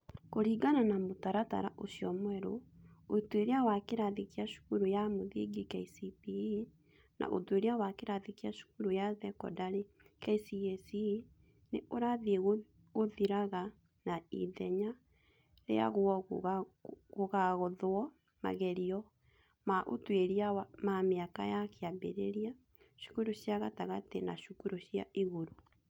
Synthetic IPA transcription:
koɾiːɡananamotaɾata̰ɾa̰ʔosiɔmwɛɾootoeɾeawakeɾaðikiaʃo̥ɣuɾojamoðiɡikɛisipii | nʔa̰ʔo̰toeɾeawakeɾaðikiaʃo̥ɣuɾojaðɛkɔ̰daɾe | kɛisiɛsi | neʔoɾaðeɣ | oðiɾaɣa | naḭðɛɲa | ɾḛa̰ɣwɔ | ɣoɣaɣɔðɔ | ma̰ɣɛɾiɔ | maʔo̰tweɾiawamameaka̰jakeabḛɾeɾia | ʃu̥kuɾoɕjaɣataɣatena̰ʃukuɾoʃja̰ʔiɣoɾo

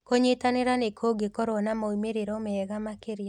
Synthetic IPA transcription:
koɲɪt̪anɪɾanekʰoɡekɔɾɔnamɔimeɾeɾɔmɛɛɡamakɪɾja

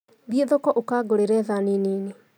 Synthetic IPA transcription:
ðieðɔkɔʔokaɡoɾeɾɛðaninine

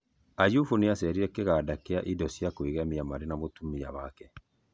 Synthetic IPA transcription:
ajufuneasɛɾiɾɛkeɣadakeaʔidɔsjakweɣamiamaɾenamotumiaβakɛ

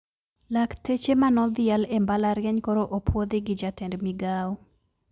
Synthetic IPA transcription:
laktet͡ʃemanɔd̪ɪalembalaɾjɛɲkɔɾoʔopʰwod̪iɡɪd͡ʒatɛndmiɡau

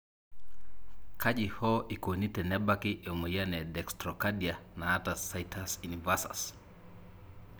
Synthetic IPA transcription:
kʰaʄihɔʔikonitɛnɛbakiʔɔmojanɛdɛkstɾɔkadianaːtasajtʰasunivasa̰s

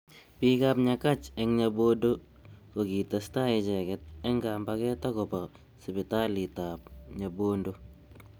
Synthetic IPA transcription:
piːkaːpɲakat͡ʃɛŋɲaboːndo | kokitastaɪt͡ʃɛkɛt̚ɛŋɡaːmbakɛtakopa | sɪbɪtalitapɲaboːndo

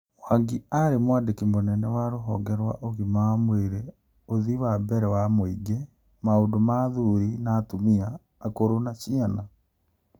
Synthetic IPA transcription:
waŋɡiaɾemwadekimonɛnɛwaɾoɦɔɡɛɾwa̰ʔoɣimaamweɾe | oðiwabɛɾɛwamwiɡe | maodomaːðuɾinaːtumiaː | koɾonaɕiana

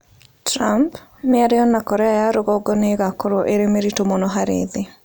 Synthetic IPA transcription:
tɾamp | mɪaɾeɔnakɔɾɛajaɾoɣɔɡɔneɣakoɾoʔeɾemeɾitomonɔɦaɾḛðe

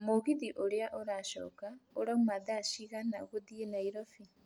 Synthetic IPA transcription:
moɣiðiʔoɾeaʔoɾaʃɔ̰ːkaoɾamumaðaʃiɣanaɣoðienaiɾɔfi

